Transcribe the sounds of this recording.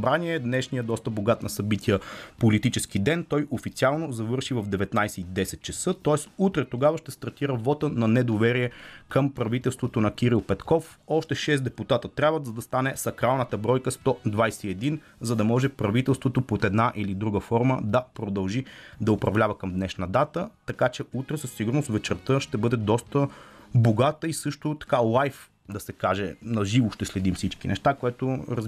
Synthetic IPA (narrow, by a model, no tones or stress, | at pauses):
ɐbɾaniɛd̪nɛʃnijəd̪ɔst̪əboɡat̪nəsɐbit̪ʰijəpolit̪it͡ʃɛsk̟id̪ɛnt̪ɔjʔofit̪sialˠnozɐvɤɾʃivɐvd̪ɛvɛt̪najsɛid̪ɛsɛt̪̚t͡ʃɐsɤt̪ɔɛsut̪ɾɛt̪oɡavəʃt̪ɛst̪ɐɾt̪iɾəvɔt̪ənɐnɛd̪ovɛɾiɛkəmpɾɐvit̪ɛlˠst̪vot̪onɐkiɾilˠpɛt̪kɔf | ɔʃt̪ɛʃɛsd̪ɛput̪at̪ət̪ɾʲjabvəd̪zɐd̪ɐst̪anɛsɐkɾalˠnət̪əbɾɔjkəst̪ɔd̪vajsɛiɛd̪in | zɐd̪ɐmɔʒɛpɾɐvit̪ɛlˠst̪vot̪opot̪ɛd̪naʔilid̪ɾuɡəfɔɾməd̪ɐpɾod̪ɐlˠʒid̪ɐʊpɾɐvlʲavəkəmd̪nɛʃnəd̪at̪ət̪ɐkat͡ʃɛut̪ɾɛsəsːiɡʊɾnost̪vɛt͡ʃɛɾt̪əʃt̪ɛbɤd̪ɛd̪ɔst̪əboɡat̪əisɤʃt̪ʊt̪ɐ̥kalˠajf | d̪ɐsɛkaʒɛnɐʒivʊʃt̪ɛslɛd̪imfsit͡ʃkinɛ̰ʃt̪akoɛt̪oɾɐz